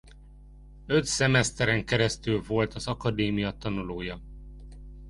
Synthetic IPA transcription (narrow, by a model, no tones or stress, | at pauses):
ø̞t̪sɛmɛst̪ɛɾɛŋkɛɾɛst̪ylvo̞lt̪ɒzɒkɒd̪eːmijɒt̪ɒnuloːjɒ